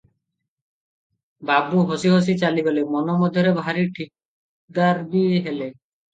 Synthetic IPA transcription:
babuɦosiɦos̬it͡ʃalibolemɔnɔmɔd̪ʱjɔɾebʱaɾiʈʰik̚ | d̪aɾbieɦele

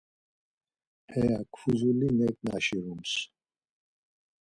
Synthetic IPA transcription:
hɛjakʰfuzulinɛkʼna̰ʃiɾums

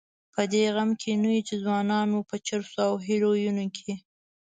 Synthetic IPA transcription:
pʰəd̪eɣamkʰenuwit͡ʃezwɑnɑnopət͡ʃəɾsoawɦilojunokʰe

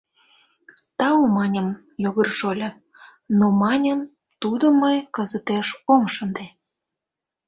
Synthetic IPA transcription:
t̪ɑomɑnʲəm | joɣərʃolʲə̆ | nomɑnʲəm | t̪ud̪əməjkəzət̪eʃomʃənd̪e

